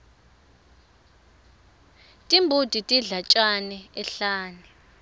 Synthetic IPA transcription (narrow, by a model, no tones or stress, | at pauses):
tʼimbʱud̥ʱitʼiɮat͡ʃʼanɛɛɬaːnɛ